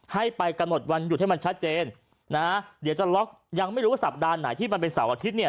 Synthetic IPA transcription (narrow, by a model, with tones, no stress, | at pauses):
ha˥˩jpa˧jka˧mno˨˩t̪̚wa˧nju˨˩ha˥˩ma˧nt͡ɕʰa˦˥t̪̚t͡ɕeː˧nː | a˦˥di˨˦wt͡ɕa˨˩lɔ˦˥k̚ | ja˧ŋma˥˩jɾu˦˥wa˥˩sa˨˩p̚daː˧nːa˩˦t̪ʰiː˥˩ma˧np̬e˧nsaː˩˦wʔa˧t̪ʰi˦˥t̪̚ni˥˩ɐ